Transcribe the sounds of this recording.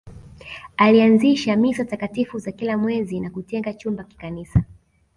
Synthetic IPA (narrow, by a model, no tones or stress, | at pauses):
alianziʃamisatakatifuzakilamwɛzinakutɛŋɡat͡ʃumbaki̥kanisa